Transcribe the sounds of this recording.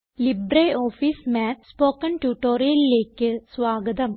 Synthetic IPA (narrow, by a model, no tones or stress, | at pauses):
libɾeoːfismaːt̪spoːkːɐnʈuːʈːoːɾijɐlileːkːɨsʋaːɡɐd̪ɐm